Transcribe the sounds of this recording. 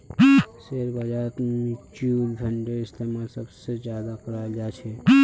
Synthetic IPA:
seɾbad͡ʒaːt̪mit͡ʃuːlbʱəɳɖəɾɪst̪emasəbsed͡ʒjaːd̪akəɾajld͡ʒaːt͡ʃʰe

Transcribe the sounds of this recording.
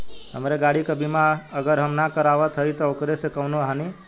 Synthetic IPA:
ɦəmɾeɡaɽikəbʱimãəɡəɾɦəmnakəɾaʋət̪ʰəit̪ookɾesekəʋnoɦani

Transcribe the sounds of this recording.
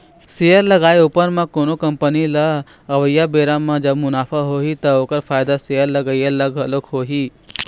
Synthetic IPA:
sejəɾlɐɡaːeupəɾmãkoːnokɐ̃mpənilɐ | ɐʋəjːabeːɾamãd͡ʒɐbmʊnaːpʰaɦoːɦit̪ɐoːkəɾpʰaːjd̪asejəɾlɐɡəjelɐɡɦɐlokɦoːɦiː

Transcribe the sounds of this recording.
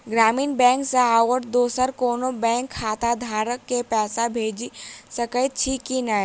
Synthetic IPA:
ɡɾaːmiːnbɛ̃ːŋkseaːwəɾd̪oːsəɾkoːnobɛ̃ːŋkʰːaːt̪ad̪ʱaːɾəkːepɛːsabʱeːd͡ʒisɐkəjt͡ʃʰiːkːina

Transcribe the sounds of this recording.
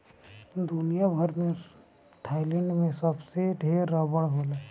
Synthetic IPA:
d̪unijabʱəɾmẽ | t̪ʰaːɪlɛɳɖmẽsəbseɖʱeːɾːəbəɽɦola

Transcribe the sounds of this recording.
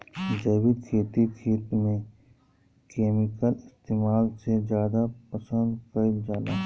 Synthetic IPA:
d͡ʒɐːbɪd̪kʰeːt̪ikʰeːt̪mẽ | keːmɪkəlɪst̪eːmaːlsezjaːd̪apəsə̃nd̪kəid͡ʒaːla̰ː

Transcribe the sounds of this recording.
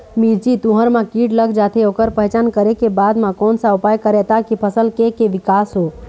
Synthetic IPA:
miɾt͡ʃit̪ũɦəɾmãkiːʈləɡd͡ʒaːt̪ʰeoːkəɾpəɦɛt͡ʃaːnkəɾekebaːd̪mãkɔːnsaʊpaːjkəɾɛt̪akipʰəsəlkekeʋɪkaːsɦoː

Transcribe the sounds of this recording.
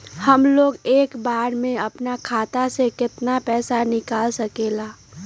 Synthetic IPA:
hɐmloːɡeːkbaːɾmẽɐpnakʰaːt̪asekɪt̪napɛːsanɪkaːlsɐkeːlaː

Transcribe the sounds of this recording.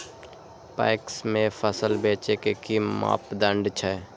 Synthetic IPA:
pa̰ːksmẽpʰəsəlbeːt͡ʃekekiːa̰ːpd̪ə̃ɳɖt͡ʃʰɛ

